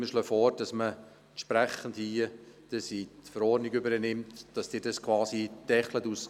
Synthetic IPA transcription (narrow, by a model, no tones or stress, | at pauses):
mɪʃlœfɔːɾd̥ɑsmə | ʃpɾæχəndhiːəd̥əsitfəɾɔːrdniɡʏbəɾənɪmtd̥ɑsd̥ɪːɾdɑskvɑːsid̥ɛχlətus